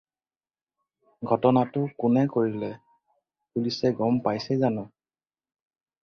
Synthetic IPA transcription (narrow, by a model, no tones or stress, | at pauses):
ɡʱɔtɔnatʊkʊnɛkoɹilɛ | pulisɛɡɔmpajsɛzanʊ